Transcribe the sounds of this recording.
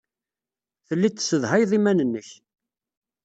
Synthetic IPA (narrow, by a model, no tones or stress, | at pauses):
θəlːit͡s̪ːsːəðhajðˤimænənːəç